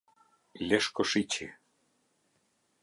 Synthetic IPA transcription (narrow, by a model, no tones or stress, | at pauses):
lʲeʃkŏʃit͡ɕe